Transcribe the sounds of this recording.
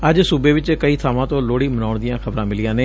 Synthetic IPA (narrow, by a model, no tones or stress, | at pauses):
əd͡ʒsuːbeːʋɪt͡ʃkəiːt̪ʰaːʋãːt̪õːloːɽiːmənaːʊɳd̪ɪjãːkʰəbɾãːmɪlɪjãːneː